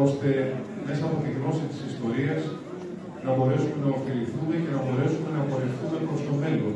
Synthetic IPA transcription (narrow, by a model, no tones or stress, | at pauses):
o̞st̪e̞ | me̞sɐːpo̞t̪iɣlo̞sist̪i̥sist̪o̞ɾiɐz | nɐbo̞ɾe̞sume̞nɐofiliθume̞ce̞nɐbo̞ɾe̞sume̞nɐpoɾeθume̞pɾo̞st̪o̞me̞lon